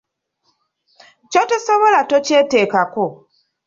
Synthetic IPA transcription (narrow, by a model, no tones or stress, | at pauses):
cotusoβolatoceːteːkako